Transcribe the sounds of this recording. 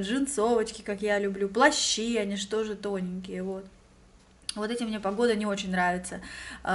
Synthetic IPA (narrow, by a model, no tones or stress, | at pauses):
ʐɨnt̪so̞vət͡ɕkʲɪkakjalʲʊblʲuplˠɐɕːiɐnʲiʂt̪o̞ʐɨt̪o̞nʲɪnʲkʲɪjəvo̞t̪ | vo̞t̪ɛtʲɪmnʲe̞pɐɡo̞d̪ənʲɪo̞t͡ɕɪnʲnɾavʲɪt̪sə